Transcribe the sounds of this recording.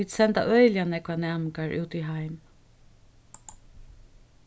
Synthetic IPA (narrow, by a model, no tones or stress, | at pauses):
iːt̪sɛnt̪a̰ʔœʏljanɛkʋanæːmkaɹʔʉ̰ːt̪iɦaɪm